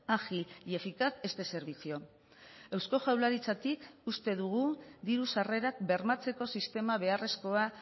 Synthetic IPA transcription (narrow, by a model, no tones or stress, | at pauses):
axilie̞fikaθe̞st̪e̞se̞ɾβit͡sio̞ | e̞wsko̞ʝawlaɾit͡sat̪ikust̪e̞ðuɣ̞ud̪iɾusare̞ɾak̚be̞ɾmat͡se̞ko̞sist̪e̞maβ̞e̞are̞sko̞a